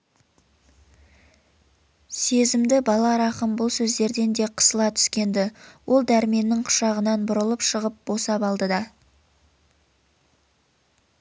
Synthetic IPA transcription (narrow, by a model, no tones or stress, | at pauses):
se̞zɪmd̪ɪbɑlˠɑɾɑqəmbʊlˠsɵzd̪e̞ɾd̪e̞nd̪e̞qʰə̥səlˠɑt̪ʰʏ̥skʲe̞nd̪ɪwʔo̞lˠd̪æɾme̞nːɪŋqʰʊ̥ʃɑʁənɑnbʊɾəlˠəpʃəʁəp̚b̥o̞sɑpɑlˠd̪əd̪ɑ